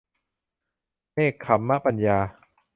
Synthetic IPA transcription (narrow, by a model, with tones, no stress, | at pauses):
neː˥˩kʰːa˨˦mːa˦˥˩pa˧njaː˧